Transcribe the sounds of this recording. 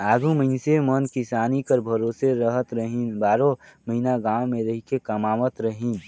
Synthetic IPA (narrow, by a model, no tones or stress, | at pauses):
aːɡʱũməɪnsemənkisaːnikəɾbʱəɾoːseɾəɦət̪ɾəɦinbaːɾõməɦinaɡãːwmẽɾəɦikekəmaːmət̪ɾəɦin